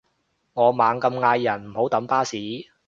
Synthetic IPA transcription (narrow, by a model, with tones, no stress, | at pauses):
ŋɔː˨˧maː˨˧ŋkɐ˧mŋaː˧jːɐ˨˩nm̩˨˩ho˨˥wt̪ɐ˨˥mpaː˥siː˨˥